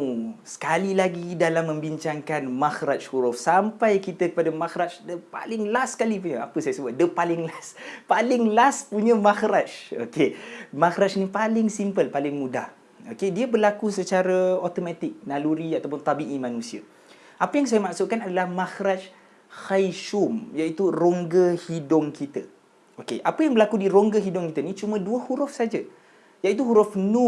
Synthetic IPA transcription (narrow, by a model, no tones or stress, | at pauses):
sə̥kalilaɡidalamːə̃mbiɲt͡ʃaŋkanmaxɾat͡ʃhuɾʊfsampajkit̪akə̥padamaxɾat͡ʃdəpa̰lɪŋlaskalip̬uɲəapəsajasəbʊt̪̚dəpalɪŋlaspalɪŋlaspuɲəmaxɾat͡ʃo̰kemaxɾat͡ʃnipalɪŋsimpəlpalɪŋmuda̰h | okediabərlakusət͡ʃaɾaot̪omat̪ɪk̚naluɾiat̪ap̬ʊnt̪abiʔimãnũsia̰ | ʔapəjaŋs̬ajamaksuʔ̚kanadalahmaxɾat͡ʃ | xajʃumjait̪uroŋɡəhidʊŋkit̪a | okeʔapəjaŋbəlakudiɾoŋɡəɦidʊŋkit̪ənit͡ʃumə̃duəhuɾʊfsad͡ʒa | jaʔit̪̬uɦuɾʊfnu